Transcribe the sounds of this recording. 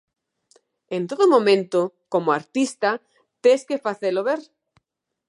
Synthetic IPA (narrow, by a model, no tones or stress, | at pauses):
ent̪oðomõmẽnt̪okomoaɾt̪ist̪a | t̪eskefaθeloβeɾ